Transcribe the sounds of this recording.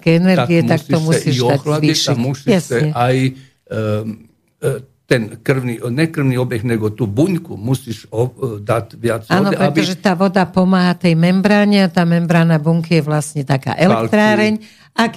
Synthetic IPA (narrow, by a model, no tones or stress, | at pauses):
kɛɛnɛɾaɡiɛt̪akst̪ɔmusidaxlad̪iʃɛmusiɛsɛɲɛaj | t̪ɛnkr̩ʋninɛkr̩ʋniɔbjɛxnɛɡɔt̪uːbuɲkumusiʃod̪at̪ʲʋjat͡saːdnɔɛpɾɛt̪ɔʒɛt̪aːʋɔd̪apɔmaːɦat̪ɛjmɛmbɾaːɲɛat̪aːmɛmbɾaːnabuŋkijɛʋlasɲɛt̪aka̰ːʔɛlɛklt̪ɾaːɾɛɲ | ak